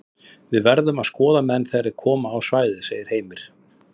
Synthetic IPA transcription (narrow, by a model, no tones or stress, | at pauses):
vɪðvɛɾðʏmaðskɔːðamɛnːθɛɾɪ̥kʰɔːmaːwsvaːjðɪseːjɪɾ̥heːjmɪɾ̥